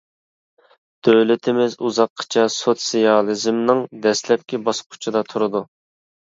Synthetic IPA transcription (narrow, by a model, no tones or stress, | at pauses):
d̪̥øwlɪt̪ʰɪmɪzuzɑqʰːt͡ʃʰɑsot̪sijɑlˠɨzmnɨŋd̪ɛslɛp̚kʲibɑsqʰʊ̥t͡ʃʰɨd̪ɑt̪ʰʊɾɨd̪u